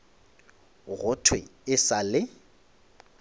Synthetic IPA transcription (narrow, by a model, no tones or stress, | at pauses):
ɣʊtʰwɪ̰ɪsalɪ